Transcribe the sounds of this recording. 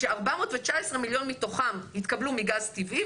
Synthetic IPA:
ʃeaʁbamo̞ːt̪vet͡ʃaesʁemiljo̞nmit̪o̞χamhit̪kablumiɡazt̪ivi

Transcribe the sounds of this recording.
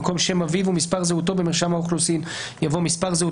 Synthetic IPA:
ko̞mʃe̞mavivumispaʁzeut̪̬o̞bemiʁʃamaoχlusin | javo̞mispaʁzeu

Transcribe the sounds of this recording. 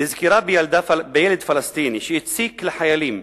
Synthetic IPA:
ɪzkiɾaːbɪjald̪afbɪjɪlɪd̪falɑst̪iːniʃɪjɪt̪siːklɪħajaliːm

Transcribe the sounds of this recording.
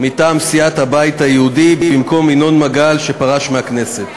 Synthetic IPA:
mit̪aːmsijat̪habajit̪hajehud̪ibbimko̞mino̞nmaɡalʃe̞paʁaʃmeakne̞set̪

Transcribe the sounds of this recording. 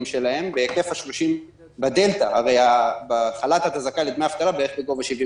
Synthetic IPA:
mʃe̞lahe̞mbeke̞fhaʃloʃim | bad̪e̞lt̪aaʁe̞jabaχalat̪at̪azakalid̪meaft̪alabeeeχbeɡo̞vaʃivi

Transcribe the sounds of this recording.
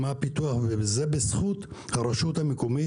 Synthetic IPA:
mapit̪uaχvezebesχut̪haɾeʃut̪hamekomi

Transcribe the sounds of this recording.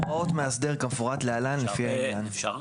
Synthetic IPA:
aotmeasdeʁkafuʁatlealanlefihajeɡan

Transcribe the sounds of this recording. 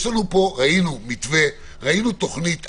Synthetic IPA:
ʃlanupo̞ʁainumit̪ve̞ | ʁainut̪o̞χnit̪

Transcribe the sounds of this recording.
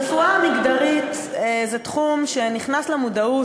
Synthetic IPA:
fuamiɡd̪aʁit̪ | zet̪χumʃe̞niχnaslemudau

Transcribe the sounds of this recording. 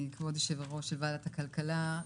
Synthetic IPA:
likvodeʃevaʁoʃelbaːlatakalkala

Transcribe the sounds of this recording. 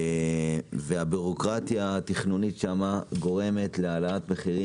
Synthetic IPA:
veabuʁo̞kʁat̪jaːt̪iχnunitʃamaɡo̞ʁe̞me̞t̪le̞alaat̪meχiʁi

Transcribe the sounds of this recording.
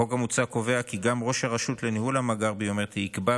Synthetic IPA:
o̞ɡamut͡sako̞ve̞akiɡamʁo̞ʃaʁaʃut̪lenihulamaɡaʁbejomeʁt̪iikba

